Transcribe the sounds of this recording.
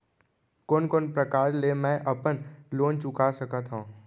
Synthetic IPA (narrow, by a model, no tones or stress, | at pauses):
koːnkoːnpɾəkaːɾlemɛ̃ʔɐpənloːnt͡ʃʊkasəkət̪ɦõː